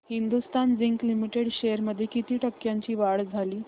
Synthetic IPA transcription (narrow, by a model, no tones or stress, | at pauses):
hind̪ust̪and͡ziŋklimiʈeɽɕejəɾməd̪ʱːjekit̪iːʈəkːjaɲt͡ɕiːʋaɭd͡zʱaliː